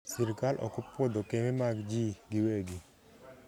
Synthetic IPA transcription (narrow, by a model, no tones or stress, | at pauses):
siɾkalʔɔ̰kɔpwod̪okememaɡd͡ʒiɡiweɡi